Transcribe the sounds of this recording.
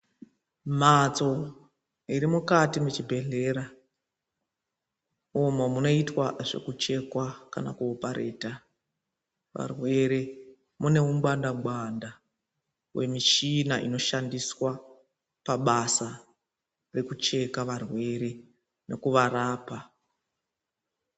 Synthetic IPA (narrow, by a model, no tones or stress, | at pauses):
mat͡so̞ | iɾimukatimut͡ʃibʱe̞ɮe̞ɾa | omomuno̞itwaʐe̞̰kut͡ʃe̞kwakana̰kuopaɾḛːta | ʋa̰rwe̞ɾe̞ | mune̞umɡ͡bandaɡwanda | we̞miʃinaʔḭno̞ʃandiswa | paɓasa | re̞kut͡ʃe̞kaʋarwe̞ɾe̞ | ne̞kuʋaɾaːpa